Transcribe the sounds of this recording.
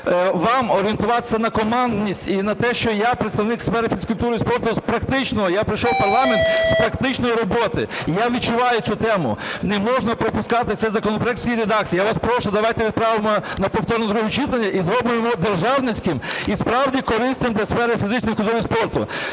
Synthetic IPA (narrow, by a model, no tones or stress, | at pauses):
ʋɑmɔɾʲɪent̪ʊʋɑt̪ɪ̥sʲɐnɐkɔmɑnd̪nʲisʲtʲinɐt̪ɛʃt͡ʃɔjapɾet̪st̪ɐʋnɪksfɛɾɪfʲiskʊlʲt̪uɾɪispɔrt̪ʊspɾɐkt̪ɪt͡ʃnɔɦɔjapɾɪjʃɔwpɐrlˠɑment̪spɾɐkt̪ɪt͡ʃnɔjiɾɔbɔt̪ɪjaʋʲit̪̚t͡ʃʊʋɑjʊsʲut̪ɛmʊ̰nɛmɔʒnɐpɾɔpʊskɑt̪ɪt̪sɛjzɐkɔnɔpɾɔɛk̪̚wsʲjijɾed̪akt͡sʲiːjaʋaspɾɔʃʊd̪ɐʋajt̪ɛʋʲidt̪̚pɾɑʋɪmɔnɐpɔwt̪ɔɾnɔd̪ɾuɦʊt͡ʃɪt̪lˠɐnʲːɐʔizɾɔbɪjɪmɔd̪erʒɑwnɪt͡sʲkɪmispɾɑwdʲikɔɾɪst̪ɪmd̪lʲɐsfɛɾɪfʲizɪt͡ʃnɔjkʊlʲt̪uɾɪspɔrt̪ʊ̰